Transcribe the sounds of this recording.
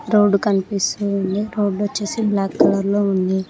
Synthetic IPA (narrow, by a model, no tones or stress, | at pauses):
ɾoːɖukɐnipist̪uund̪iɾoːɖʋɐt͡ʃːeːsiblaːkːɐlɐɾloːund̪i